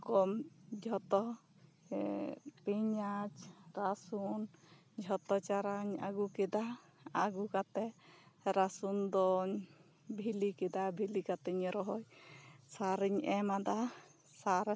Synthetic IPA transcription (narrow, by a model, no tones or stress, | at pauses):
kɔmd͡ʒʱɔt̪ɔ | piɲat͡ʃɾasun | d͡ʒʱɔt̪ɔt͡ʃaɾaɲa̰ɡukɛd̪a | aɡukat̪ɛɾasund̪ɔɲ | bʱilikɛd̪abʱilikat̪ɛɲɾɔɦɔjsaɾiɲʔɛmad̪a | saɾ